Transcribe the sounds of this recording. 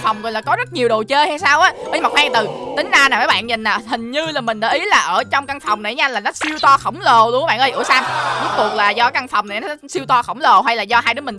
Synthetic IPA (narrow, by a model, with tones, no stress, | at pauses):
fa˨˩wŋ͡mklaː˧˩kɔ˨˦zə˦˥t̚ɲi˨˩əwɗo˨˩t͡ɕəː˧ha˧saː˧wʔaː˨˦ɓəː˨˦jma˨˩waː˧ŋt̪ɨ˨˩t̪ï˨˦ŋ̟zaː˧naː˨˩maː˨˦ɓa̰ː˧˨nɲï˨˩n̟naː˨˩hï˨˩ŋ̟ɲɨ˧laː˨˩mï˨˩ŋ̟ɗa̰ː˧˦ʔi˨˦laː˨˩ʔəː˧˩t͡ɕɔ˧wŋ͡mka˧ŋfɔ˨˩wŋ͡mna˨˩˨ɲa˧nlaː˨˩nɔ˨˦si˧əwt̪ɔ˧xə˧˩wŋ͡mlo˨˩lːɓa̰ː˧˨nʔə˧jʔɨ̰˧˩əsa˧mu˨˦˥t̪u˨˩ək̚laː˨˩zɔ˧ka˧ŋfɔ˨˩wŋ͡mn˨˩n˨˦n˦si˧wt̪ɔ˧xə˧˩wŋ͡mlo˨˩ɦa˧jlaː˨˩zɔ˧ɦaː˧jɗɨ˨˦mï˨˩